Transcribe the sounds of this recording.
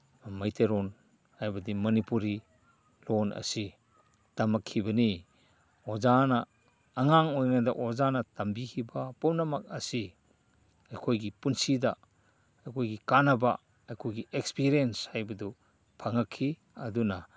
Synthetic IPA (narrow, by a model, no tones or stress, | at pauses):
majteɾɔn | hajbɐdimɐnipuɾi | lɔnɐ̰si | tamakʰːibɐni | ozanaː | ŋaŋojnada̰ʔozanɐtambikʰibapɔmnamak̚ɐsi | ajkʰojɡipunsida | ajkʰojɡikanaba̰ | ajkʰojɡiekspiɾienshajbɐdɔ | pʰaŋakʰːi | ɐduna